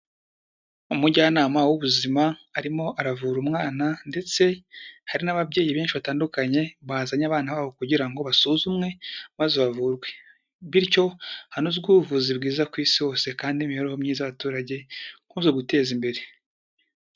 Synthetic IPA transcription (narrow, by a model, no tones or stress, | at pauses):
umuɟaːnaːmawuβuzimaːɾimo̞ʔaɾavuɾumŋaːnande̞t͡se̞haɾinaβabɟe̞ːjiβeːnʃiβataːndukaɲe̞βaːzaɲaβaːnaβaːβo̞kuɟiɾaŋɡo̞βasuːzumŋe̞mazoβavuɾɡwe̞ | βiɾco̞hanozɡuvuzibɡiːzakwiːsiho̞ːse̞kaːndimihoɾehomɲiːzaβatuːɾaɟe̞ŋkuːzeɡute̞ːzimbe̞ɾe̞